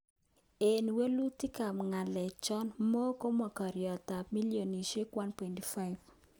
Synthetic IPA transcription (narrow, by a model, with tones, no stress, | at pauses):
e˨n˨we˦lu˦ti˦ka˨mŋa˨lɛ˨t͡ʃɔ˦nmo˦ko˦ma˨kɔ˨ɾjɔ˨ta˨pmi˦ljo˨ni˨ʃe˦kwa˦npwɛ˨nti˨fa˦ɪv